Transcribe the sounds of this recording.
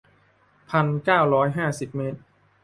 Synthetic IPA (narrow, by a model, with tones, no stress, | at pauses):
pʰa˧nkaː˥˩wɾɔː˦˥jɦaː˥˩si˨˩p̚me˦˥t̪̚